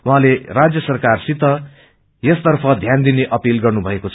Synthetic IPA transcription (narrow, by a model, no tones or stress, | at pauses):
wuɦãlerad͡zjʌsʌrkarsit̪ːʌ | jʌst̪ʌrpʰʌd̪ʱjand̪ineʔʌpilɡʌrnubʱʌekot͡sʰ